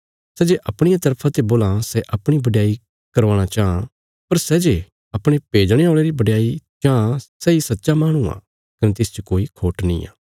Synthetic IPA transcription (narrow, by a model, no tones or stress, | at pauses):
sɛːd͡ʒeʔɐpɽ̃ɪjãt̪ɐɾpʰãt̪eboːlãsɛʔɐpɽ̃ibɐɖɪjaːi | kɐɾʋaːɽ̃at͡ʃaːã | pɐɾsɛd͡ʒe | ɐpɽ̃epeːd͡ʒɽ̃eoːɭeɾibɐɖjaːit͡ʃaːãsɛːisɐtːʃamaːɽ̃uã̰ː | kɐnet̪ɪst͡ʃəkoːikʰoːʈnḭ̃ːa̰ː